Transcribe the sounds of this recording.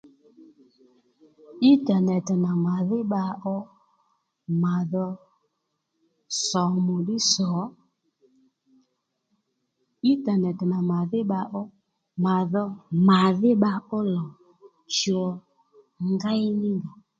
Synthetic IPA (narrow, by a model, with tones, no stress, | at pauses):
i˦ta˨nɛ˨tɪ˨na˨ma˨ðɪ˦ɓa˧ʔɔ˦ | ma˨ðɔ˧ | sɔ˨˦mʊ˨ɗɪ˦sɔ˨˦ | i˦ta˨nɛ˨tɪ˨na˨ma˨ðɪ˦ɓa˧ʔɔ˦ | ma˨ðɔ˧ma˨ðɪ˦ɓa˧ʊ˦lɔ˨ | t͡ʃɔ˧ | ŋɡa˦ɪ˦nɪ˦ŋɡa˨